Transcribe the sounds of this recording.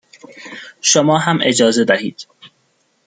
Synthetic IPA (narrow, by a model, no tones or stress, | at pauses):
ʃomɒːɦæmʔe̞d͡ʒɒːze̞d̪æhiːd̪̥